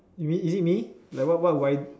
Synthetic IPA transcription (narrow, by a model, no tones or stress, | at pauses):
jumĩizit̚milaɪkwɔʔwawajd̚